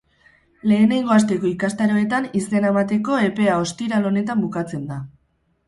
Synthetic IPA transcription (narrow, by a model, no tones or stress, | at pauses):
le̞ːnajŋɡo̞ast̪e̞ko̞ikast̪aɾo̞e̞t̪anise̞namat̪e̞ko̞e̞pe̞ao̞st̪iɾalo̞ne̞t̪ambukat͡se̞nd̪a